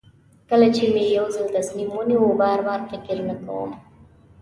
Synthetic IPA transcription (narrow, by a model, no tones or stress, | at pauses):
kəlat͡ʃemejawzəld̪asnimunewobɑɾbɑɾfɪkɪɾnaka̰wə̰m